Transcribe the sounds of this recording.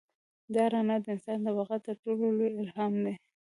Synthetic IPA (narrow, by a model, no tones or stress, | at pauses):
d̪ɑɾɑnad̪əɪnsɑnd̪əwaɣat̪əɾʈololojɪlɦɑmd̪e